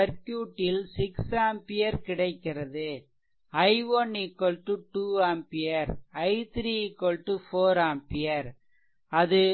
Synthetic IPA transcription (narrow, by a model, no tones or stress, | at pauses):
ɐɾkjuːʈːɪlsɪksaːmpɪjɐɾkɪɽɐɪkːɪrɐðɯ | ɐɪʋɔnɪkːɔlʈuʈuːaːmpɪjɐɾɐɪt̪ʰɾiːɪkːɔlʈufoːɾaːmpɪjɐɾ | ɐðɯ